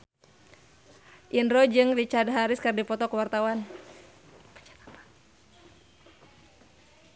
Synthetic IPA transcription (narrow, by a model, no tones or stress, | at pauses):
ʔindɾɔd͡ʒɨŋrit͡ʃadɦaɾɪskardipɔt̪ɔkəwart̪awan | pt͡ʃḁt̪ḁpḁ